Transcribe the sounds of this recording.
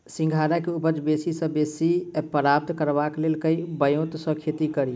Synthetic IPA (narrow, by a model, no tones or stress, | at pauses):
sĩŋɡʱaːɾakeupəd͡ʒbesisə̃besipəɾaːp̚d̪kəɾbakleːlkəibəjot̪sə̃kʰet̪ikəɾi